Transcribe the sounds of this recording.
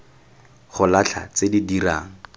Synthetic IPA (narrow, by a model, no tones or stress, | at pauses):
χʊlat͡ɬʰa̰t͡sedidiraːŋ̩